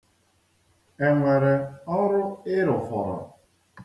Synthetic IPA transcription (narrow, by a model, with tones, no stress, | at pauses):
e˨ŋʷe˨ɾe˨ɔ˦ɾʊ˦ɪ˦ɾʊ˨fɔ̰˨ɾɔ̰˨